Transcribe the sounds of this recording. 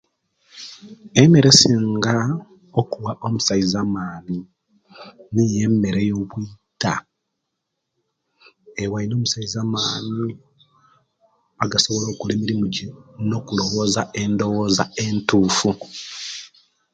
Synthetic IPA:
eme̞ɾesiːŋɡa | okuwaʔo̞musaizaːmaːni | nije̞mːe̞ɾejo̞βwita̰ | ewaino̞ːmusaizaːmaːni | aɡaso̞βo̞lo̞ːkulemiɾimuɟino̞kulo̞wozae̞ndo̞wo̞ːzae̞ntuːfu

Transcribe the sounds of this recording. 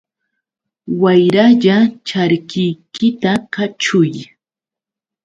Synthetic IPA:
wajɾaʎat͡ʃaɾkɪjkɪt̪akat͡ʃʊj

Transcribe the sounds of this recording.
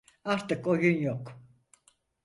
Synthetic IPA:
aɾt̪ɯkojunjok

